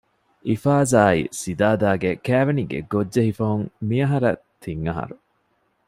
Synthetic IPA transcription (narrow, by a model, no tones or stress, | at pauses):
ʔifaːzaːḭsid̪aːd̪aːɡekæːʋeniɡḛɡodːeɦifɐɦuŋmiɐɦɐɾɐt̪ʰiŋːɐɦɐ̰ɾu